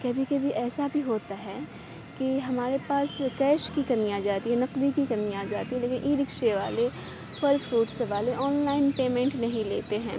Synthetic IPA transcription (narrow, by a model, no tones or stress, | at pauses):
kɐbʱikɐbʱiʔɛːsabʱiɦoːt̪aɦɛː | kiɦɐmaːɾepaːskɛːʃkikɐniaːd͡ʒaːt̪iɦɛ̃nɐqd̪ikikɐniaːd͡ʒaːt̪iɦɛ̃leːkɪ̃nʔiːɾɪkʃeʋaːle | fʰɐɾfɾuːʈsʋaːleʔɔːnlaːɪnpeːmɛ̃ɳʈnɐɦĩleːt̪eɦɛ̃ː